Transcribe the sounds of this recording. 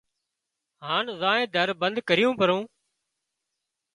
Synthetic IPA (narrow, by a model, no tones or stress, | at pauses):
ɦaːɳzãːẽːd̪ʱəɾbənd̪kəɾɪjũːpəɾõː